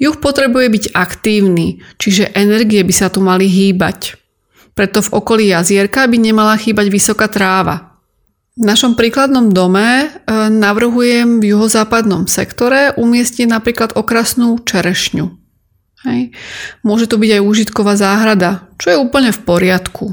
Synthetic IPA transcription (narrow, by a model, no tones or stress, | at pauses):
juxpɔt̪ɾɛbujɛbiɟakt̪iːʊniːt͡ʃiʒɛʔɛnɛɾɡiɛbisat̪umaliɦiːba̰c | pɾɛt̪ɔvɔkɔliːjazɪɛɾkabiɲɛmalaxiːbaɟʋisɔkaːt̪ɾaːʋa̰ | vnaʃɔmpɾiːklad̪nɔmd̪ɔmɛnaʋr̩ɦujɛmvjuɦɔzaːpad̪nɔmsɛ̰kt̪ɔɾɛʔumɪɛsciɛnapɾiːklad̪ɔkɾasnuːt͡ʃɛɾɛʃɲu | hɛjmʊɔʒɛt̪ɔbiɟajuːʒit̪kɔʋaːzaːɦɾad̪at͡ʃɔjɛuːpl̩ɲɛfpɔɾɪat̪kʰu